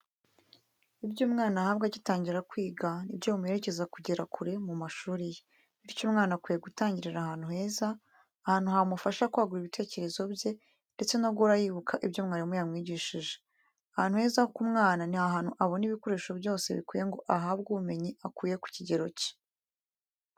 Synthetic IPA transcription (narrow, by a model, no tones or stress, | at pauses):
ibjuːmŋaːnahaβɡaɟitaːɲɟiɾakwiːɡanibjoβumuje̞ɾe̞ce̞zakuɟeɾakʰuɾe̞mumaʃuːɾije | iɾicomŋaːnakwijeɡutaːɲɟiɾeɾahaːn̥huhe̞ːzaː | haːn̥uhamufaʃakwaːɡuɾiβite̞ːce̞ɾe̞zo̞bje̞ | nde̞t͡se̞noɡoɾajiːβukʰaʔibɟomŋaːnamujamŋiːɟiʃiʒe | ahaːnhuhe̞ːzahokumŋaːnanihaɦaːn̥huʔaβoniβiko̞ɾeːʃobjo̞ːse̞̰βḭkwiːje̞ŋɡo̞ʔaɦaβɡuβume̞ɲiakwuːje̞ku̥ciɟe̞ɾo̞ci̥